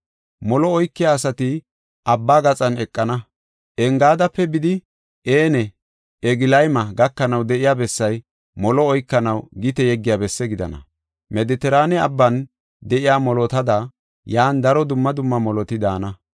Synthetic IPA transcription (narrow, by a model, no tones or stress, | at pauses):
mɔlɔɔjkːɪjaːsɐt̪ɪ | ʔɐbːaːɡɐt͡sʼɐnɛkʼːɐnɐ | ʔɛŋɡaːd̪ɐpːɛbɪd̪ɪ | ʔeːnɛ | ɛɡɪlɐjmɐɡɐkːɐnɐwd̪ɛʔɪjaːbɛsːɐj | mɔlɔɔjkːɐnɐwɡɪt̪ɛjɛɡːɪjaːbɛsːɛɡɪd̪ɐ̰nɐ̰ | mɛd̪ɪt̪ɛɾaːnɛɐbːɐn | d̪ɛʔɪjaːmɔlɔt̪ɐd̪ɐ | jaːnd̪ɐɾɔd̪ʊmːɐd̪ʊmːɐmɔlɔt̪ɪd̪aːnɐ